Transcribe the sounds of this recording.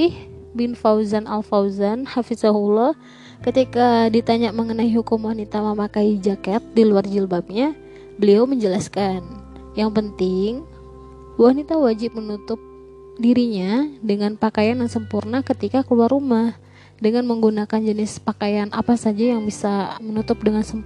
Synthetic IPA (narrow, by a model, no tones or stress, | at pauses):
ɪh | bɪnfawzanalfawzanhafizaɦulɔh | kət̪ikadit̪aɲaʔməŋənaiɦukumwanit̪aməmakaid͡ʒakɛt̪̚diluard͡ʒilbap̚ɲa | bəliawməɲd͡ʒəlaskan | jaŋpənt̪ɪŋ | wanit̪awad͡ʒɪp̚mənut̪ʊp̚ | diɾiɲadəŋanpakajanjaŋsəmpurnakət̪ikakəluarumah | dəŋanməŋɡunakand͡ʒənɪspakajanʔapasad͡ʒajaŋbisamənut̪ʊp̚dəŋansəmp